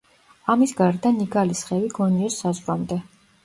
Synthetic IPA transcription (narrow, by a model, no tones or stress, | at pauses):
amisɡaɾd̪aniɡalisχɛviɡɔniɔsːazvɾamd̪ɛ